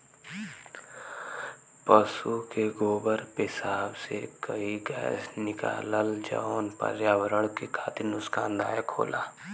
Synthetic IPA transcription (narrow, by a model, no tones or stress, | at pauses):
pəsukeɡoːbəɾpɪsaːbsekəiɡɛ̰ːsnɪka̰ːləld͡ʒa̰oːnpə̰ɾjaːwəɾəɽ̃kekʰaːt̪ɪnʊskaːnd̪aːjəkʰːo̰ːlʔaː